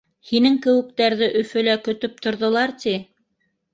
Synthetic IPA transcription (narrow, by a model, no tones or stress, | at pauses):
hinɘŋkɘ̆wɘ̆k̚t̪æɾðɘʔɵ̆fɵ̆lækɵ̆t̪ɵp̚t̪ŏɾðŏlˠɑɾt̪i